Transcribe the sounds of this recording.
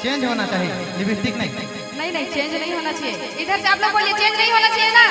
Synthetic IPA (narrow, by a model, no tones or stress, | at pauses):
t͡ʃẽɲd͡ʒɦonat͡ʃaɦie | nibʱit̪ːiknəɦĩ | nəɦinəɦĩt͡ʃẽnd͡ʒnəĩɦonat͡ʃʰie | ɪt̪əɾseaːploboliet͡ʃẽnd͡ʒnəĩɦonat͡ʃʰiena